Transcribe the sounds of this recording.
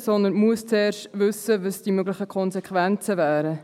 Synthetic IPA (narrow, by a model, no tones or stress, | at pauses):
sɔnd̪ənmuəst͡seːrʃtvʏsəvəsd̥imøɡlɪχəkʰɔnsɛkʰʋɛnt͡səvæːɾə